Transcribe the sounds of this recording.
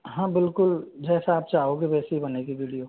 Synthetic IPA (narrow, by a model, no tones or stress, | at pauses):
ɦãːbɪlkʊld͡ʒɛːsaaːp̚t͡ʃaːɦoɡiʋɛːseɦibɐnekiʋiːɽijo